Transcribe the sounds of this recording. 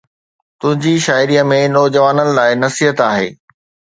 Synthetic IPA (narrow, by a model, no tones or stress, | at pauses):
t̪ʊ̃ɦɪ̃ɲd͡ʑiʃaːɪɾiːəmẽnɔːd͡ʑəʋaːnənɪ̆laːɪnɐsiɦət̪aːɦḛː